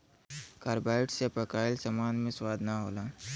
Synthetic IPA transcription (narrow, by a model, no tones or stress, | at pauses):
kaɾbaːɪʈsepəkaːɪlsamaːnmẽswaːd̪ʱnaɦo̰ːlaː